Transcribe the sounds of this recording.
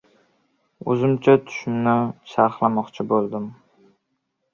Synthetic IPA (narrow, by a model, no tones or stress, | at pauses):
ɵ̰zɪmt͡ʃʰat̪ʰʊ̥ʃɪmnɪʃaɾχlˠamɒqt͡ʃʰɪbolˠd̪ɪm